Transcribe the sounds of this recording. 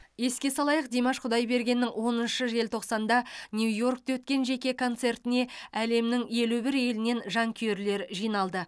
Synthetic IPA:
je̞skʲe̞sɑlˠɑjəq̚d̪emɑʃqʰʊd̪ɑjbe̞ɾɡʲe̞nːɪŋwo̞nənʃəʒe̞lt̪ʰo̞qsɑnd̪ɑnʲjujo̞rk̚t̪ɑwɵt̪̚kʲe̞nʒe̞kʲe̞kʰo̞nt̪se̞rt̪ɪne̞æle̞mnɪŋje̞lubɪɾe̞lɪne̞nʒɑŋkʲʰeeɾle̞ɾʒijnɑlˠd̪ə

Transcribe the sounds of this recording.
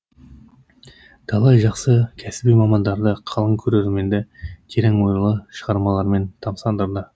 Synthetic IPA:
t̪ʰɑlˠɑjʒɑqsəkʲʰæsɪbijmɑmɑnd̪ɑɾd̪əqʰɑlˠəŋkʲʰɵɾe̞ɾlme̞nd̪ekʲʰe̞ɾeŋwo̞jɾəlˠəʃəʁɑɾmɑlˠɑɾme̞nt̪ʰɑmsɑnd̪əɾd̪ə

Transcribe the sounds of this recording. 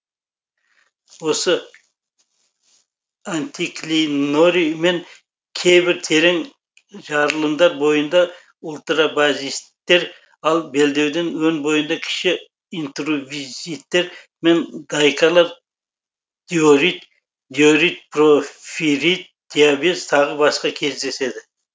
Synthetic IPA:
wo̞sə | ant̪iklʲino̞ɾime̞ŋ | kʲʰe̞jbɪɾt̪ʰe̞ɾe̞ŋ | ʒɑɾəlˠəmd̪ɑɾbo̞jənd̪ɑ | ʊlˠt̪ɾɑbazist̪ːe̞ɾ | ɑlˠbe̞ld̪e̞wd̪enwɵnbo̞jənd̪ɑkʲʰɪ̥ʃɪ | int̪rovizijt̪ːe̞ɾ | me̞nd̪̥ɑjkʰɑlˠɑɾ | d̪̥ioɾit̪ | d̪jo̞ɾijt̪̚profiɾijt̪̚d̪̥iabezt̪ʰɑʁəbɑsqɑkʲʰe̞zd̪e̞se̞d̪ɪ

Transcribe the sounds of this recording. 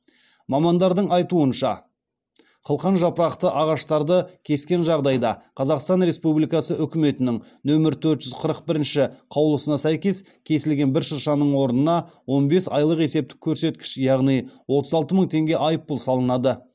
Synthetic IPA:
mɑmɑnd̪ɑɾd̪əɴɑjt̪uənʃɑ̰ | qʰəlˠqɑnʒɑpəɾɑqt̪əʔɑʁɑʃt̪ɑɾd̪əkʲʰe̞skʲe̞nʒɑʁd̪ɑjd̪ɑqʰɑzɑqst̪ɑnɾe̞spublijkɑsəʔʏkʲɪme̞t̪ɪnɪŋ | nɵmɪɾt̪ʰɵɾt̪ʒ̥ʏzqʰəɾəq̚bɪɾɪnʃɪqʰɑwlˠəsənɑsæjkʲe̞s | kʲʰe̞sɪlɡʲe̞nbɪɾʃəɾʃɑnəɴwo̞ɾnənɑwo̞nbe̞sɑ̰jlˠəqe̞se̞p̚t̪ɪ̥kʲʰːɵɾse̞t̪kʲɪ̥ʃjɑʁnijwo̞t̪əzɑlˠt̪əməɴt̪ʰe̞ŋɡʲe̞ʔɑjəpːʊlˠsɑlˠənɑd̪ə

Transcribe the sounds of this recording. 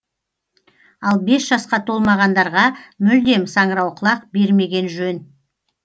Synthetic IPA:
ɑlˠbe̞sʒ̥ɑsqɑt̪ʰo̞lˠmɑʁɑnd̪ɑɾʁɑmʏld̪e̞msɑɴəɾɑwqʰəlˠɑq̚be̞ɾme̞ɡʲe̞nʒɵn

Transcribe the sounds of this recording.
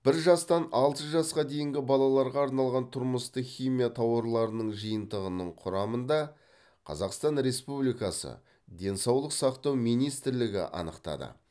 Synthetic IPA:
b̥ɪɾʒɑst̪ɑnɑlˠt̪əʒɑsqɑd̪e̞jɪŋɡʲɪbɑlˠɑlˠɑɾʁɑːɾnɑlˠʁɑnt̪ʰʊɾməst̪əχʲijmijat̪ʰɑwɑɾlˠɑɾənəɴʒijənt̪əʁənəɴqʰʊɾɑmənd̪ɑ | qʰɑ̰zɑqst̪ɑnɾe̞spublijkɑsə̰ | d̪e̞nsɑwlˠəqsɑqt̪ɑwmijnijst̪ɪɾlɪɡʲɪ̰ʔɑ̰nəqt̪ɑ̰d̪ə̰

